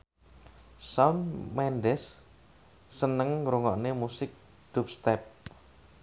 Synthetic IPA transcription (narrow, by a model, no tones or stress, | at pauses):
sɔnmɛnɖɛsː | ənəŋɾuŋɔʔnemusɪk̚ | d̪̥ṳp̚st̪ɛp̚